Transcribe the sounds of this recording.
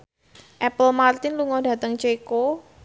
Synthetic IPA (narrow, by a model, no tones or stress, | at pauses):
ʔɛpəlmart̪ɪnluŋɔdä̤t̪əŋt͡ʃeko